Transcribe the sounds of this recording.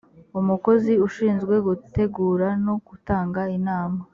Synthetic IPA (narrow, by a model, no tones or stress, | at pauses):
umuko̞ziuʃiːnzɡwe̞ɡute̞ɡuːɾanoɡ̥utaːŋɡainaːma